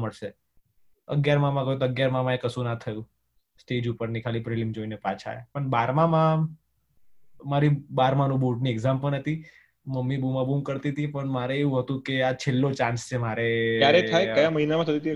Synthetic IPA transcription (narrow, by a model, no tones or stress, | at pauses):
məɭʃe | ə̰ɡjaɾmãmãkəɦjũt̪oəɡjaɾmãmãekəsũnat̪ʰəjũ | sʈed͡ʒupəɾnikʰalipɾelimd͡ʒoinepat͡ʃʰa̰pəɳbaɾmãmã | maɾibaɾmãnũboʈnieɡzampəɳɦət̪i | məmːibumãbumkəɾt̪it̪ʰipəɳmaɾeeɦũɦət̪ũkeat͡ʃʰelːot͡ʃãnst͡ʃʰemaɾejaɾeajkəjaməɦinamãt̪ʰət̪it̪i